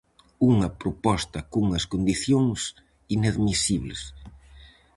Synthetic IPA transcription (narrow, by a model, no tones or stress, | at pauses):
uŋɐpɾopɔst̪ɐkuŋɐskond̪iθjoŋs | inaðmisiβlɪ̰s